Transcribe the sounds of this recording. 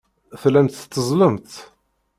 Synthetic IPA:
θlænt̪t̪ːəzˤləmt̪

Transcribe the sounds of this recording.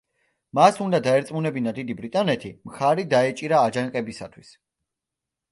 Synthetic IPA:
masund̪ad̪aɛɾt̪sʼmunɛbinad̪id̪ibɾit̪ʼanɛt̪ʰimχaɾid̪aɛt͡ʃʼiɾaːd͡ʒaŋqʼɛbisa̰t̪ʰwis

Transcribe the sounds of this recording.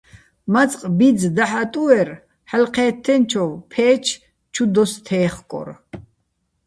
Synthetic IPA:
mat͡sʼqʼbid͡zd̪aħat̪ʼuɛɾ | ħalqʰɛːt̪ʰːɛnt͡ʃʰɔwpʰɛːt͡ʃʰ | t͡ʃʰud̪ɔst̪ʰɛːχkʼɔ̰ɾ

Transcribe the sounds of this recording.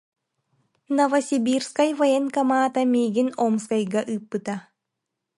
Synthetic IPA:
nɐvɐsʲibʲiɾskajvɐjenkɐmaːt̪amʲiːɡinomskajɡaʔɯːpːɯt̪a

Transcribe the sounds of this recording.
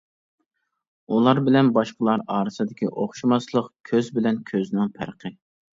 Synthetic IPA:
ulˠɑɾbɪlɛnbɑʃqəlˠɑɾɑːɾɨsɨd̪ɪkʲiʔoχʃimɑslˠəqkʲʰøzbɪlɛnkʲʰøznɪŋpʰæ̰ɾqʰə

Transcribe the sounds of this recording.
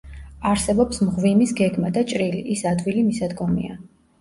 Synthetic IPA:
aɾsɛbɔpsmʁvimisɡɛɡmad̪at͡ʃʼɾiliʔːsad̪wilimisad̪ɡɔmḭa̰

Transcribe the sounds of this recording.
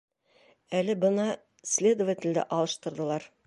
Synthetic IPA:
ælɪbənɑ | slʲe̞d̪ovat̪ʲɪld̪ɪ̰ʔɑlˠəʃt̪əɾd̪əlˠɑɾ

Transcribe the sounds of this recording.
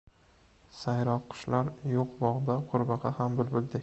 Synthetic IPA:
sajɾɒqʰːʊ̥ʃlaɾjoqbɒʁd̪aqʰʊɾbɑʁɑhambʊlbʊld̪ɪ

